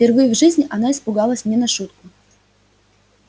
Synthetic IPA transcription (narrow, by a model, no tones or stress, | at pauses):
pʲɪrvɨjʊvʐɨzʲnʲɪʔɐnaɪspʊɡalˠəsʲnʲɛnɐʂut̪̚kʊ